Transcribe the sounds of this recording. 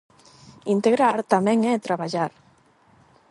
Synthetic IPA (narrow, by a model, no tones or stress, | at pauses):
int̪eɣɾaɾt̪ameŋet̪ɾaβaʎaɾ